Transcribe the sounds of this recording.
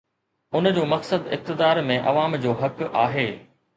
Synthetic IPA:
ʊnd͡ʑoːmɐksəd̪ɪ̰k̚t̪ɪd̪aːɾmẽʔɐ̰ʋaːmd͡ʑoːɦɐkaːɦeː

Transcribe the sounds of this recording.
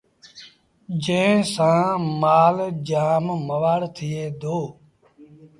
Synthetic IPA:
d͡ʒẽːsãːmaːld͡ʒaːmməʋaːɽt̪ʰɪeːd̪oː

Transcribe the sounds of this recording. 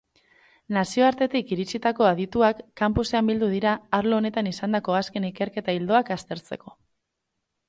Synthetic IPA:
nasio̞aɾt̪e̞t̪ikiɾit͡ʃit̪ako̞aðit̪uakːampuse̞ambild̪uð̞iɾaːɾlo̞ːne̞t̪anisand̪ako̞aske̞nike̞ɾke̞t̪aild̪o̞akast̪e̞ɾt͡se̞ko̞̥

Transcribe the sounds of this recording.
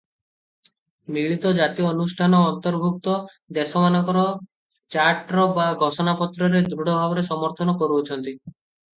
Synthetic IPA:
miɭit̪ɔd͡ʒat̪iɔnusʈʰanɔːnt̪ɔɾbʱuk̚t̪ɔ | d̪esɔmanɔkɔɾɔ | t͡ʃaɾʈɾɔbaɡʱɔsɔnapɔt̪ɾɔɾed̪ɾuɽɔbʱabɔɾesɔmɔɾt̪ʰɔnɔkɔɾut͡ʃʰɔnt̪i

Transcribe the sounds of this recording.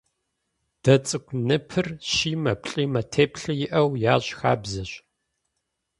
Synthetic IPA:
d̥ɐt͡sʼɨkʷʰʼnɨpʰɨrʃiːmɐpɬʼiːmɐtʰeːpʰɬɨjɪʔɐwjaːɕxa̰ːbzɨɕ

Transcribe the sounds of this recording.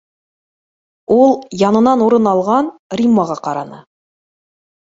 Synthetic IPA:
ulˠjɑnɤ̆nɑnuɾɤnɑlˠʁɑnrʲimːaʁɑqɑɾɑnɤ̰

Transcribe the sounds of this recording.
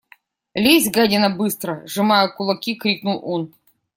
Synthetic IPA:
lʲizʲɡadʲɪnɐbɨst̪ɾəʐɨmajəkʊlˠɐkʲikɾʲiknʊlˠon

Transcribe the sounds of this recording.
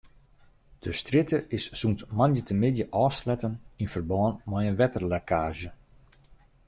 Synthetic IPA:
d̥əstrɪtəɪssuntmanjətəmɪdjəʔɔːslɛtəninfərbɔːnmɛjənʋɛtərlɛkʰaːʒə

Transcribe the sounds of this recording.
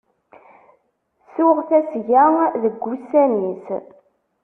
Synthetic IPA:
sʊʁθæsʝæðəɡʷːusænis

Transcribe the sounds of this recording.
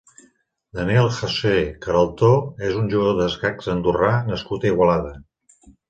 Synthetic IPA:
d̪əniɛlˠxəsekəɾəlˠt̪oezunʲʒuɣəðoðəzɣaksənd̪uranəskut̪əiɣwəlaðə

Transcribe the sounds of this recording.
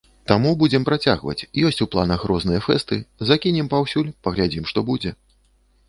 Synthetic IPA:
t̪amubud͡zʲɛmpɾat͡sʲaɣvɐ̰t͡sʲjɔsʲt͡sʲuplˠa̰nɐxɾɔznɨjɛfɛst̪ɨzakʲinʲɛmpawsʲulʲpɐɣlʲad͡zʲimʂt̪ɔbud͡zʲɛ

